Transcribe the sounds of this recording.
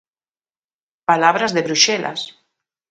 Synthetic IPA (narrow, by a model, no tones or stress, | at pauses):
palaβɾazðeβɾuʃelʔa̰s